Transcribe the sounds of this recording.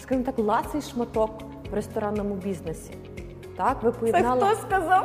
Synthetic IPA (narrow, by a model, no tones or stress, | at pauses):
skɑʒmɔt̪ɑklˠɑsɪjʃmɐt̪ɔk | ʋɾest̪ɔɾɑnɔmʊbʲiznesʲi | t̪ɑkʋɪpɔjɛd̪ɑlˠɔskɐzɑw